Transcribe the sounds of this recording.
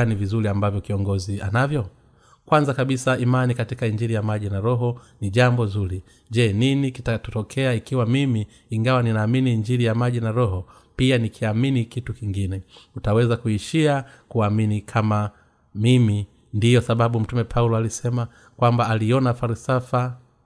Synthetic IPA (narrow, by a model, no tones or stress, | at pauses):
nivizuliambavjɔkiɔŋɡɔzia̰navjɔ | kwanzakaɓisaimanikatikaiɲd͡ʒiɾijamaʄinaɾɔɦɔniʄambɔzuɾi | ʄɛninikitatɔtɔkʰɛaikiwamimiː | ŋɡawaninaːminiːɲd͡ʒiɾijamaʄinaɾɔɦɔ | pianikʰiaminikitukiŋɡinɛutawɛzakuiʃia | kuaminikʰama | mimi | ndijɔsaɓaɓum̩tumɛpʰaulɔalisɛma | kwambaːliɔnafaɾisafa